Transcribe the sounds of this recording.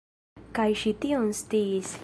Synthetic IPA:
kajʃit̪iõnst̪is

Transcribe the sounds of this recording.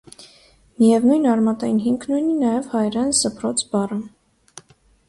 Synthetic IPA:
mijɛvnujnɑɾmɑt̪ɑjinɦiŋkʰnujninɑjɛvhɑjɾɛnzəpʰɾɔt͡sʰbɑrəm

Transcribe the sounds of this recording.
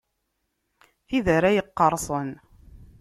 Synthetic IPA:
θiðəɾæjəqːɑɾˤsˤən

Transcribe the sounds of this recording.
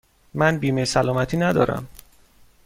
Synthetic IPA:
mænbiːmesælɒːmæt̪ʰiːnæd̪ɒ̰ːɾæ̰m

